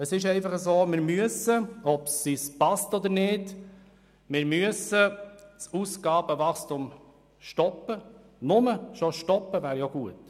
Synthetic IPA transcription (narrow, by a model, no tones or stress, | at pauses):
əsɪʃɛɪfɑχəsoːmɪɾmyəsəɔpsispɑstɔd̪əɾnɪːd | mɪɾmyəsət͡susɡ̥ɑːb̥əvɑχstum | ʃtɔpːə | nʊməʃɔʃtɔpːəvæːɾjoɡ̥uət